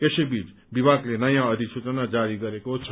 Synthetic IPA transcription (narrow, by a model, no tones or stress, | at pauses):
esebit͡s | bibʱaɡlenʌjãʌd̪ʱisut͡sʌnad͡zaɾiɡʌɾekot͡sʰʌ